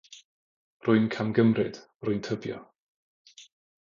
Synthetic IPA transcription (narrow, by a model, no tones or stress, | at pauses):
rʊɨnkʰamɡəmrɨd̥ | rʊɨntʰəbjɔ̰